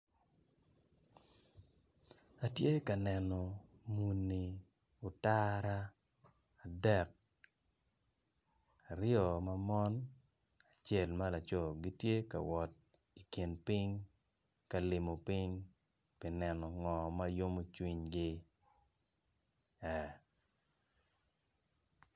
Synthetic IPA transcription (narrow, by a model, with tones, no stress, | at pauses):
a˨tje˦ka˨nɛ˨nɔ˨ | mu˨nːi˨ | ʊ˨ta˦ɾaː˦˨ | dɛ˦˨k̚ | a˨ɾjɔ˨ma˦mɔ˦n | a˨t͡ʃe˨lma˦la˨t͡ʃɔ˨ɡi˦tje˦ka̰˨wɔ˨t̚ | i˨ki˨npi˦ŋ | ka˨lɪ˨mo˨pi˦ŋ | pi˨nɛ˨nɔ˨ŋɔ˨ma˦jo˦mo˦t͡ʃwi˦ɲɡɪ˦ | ɛ˨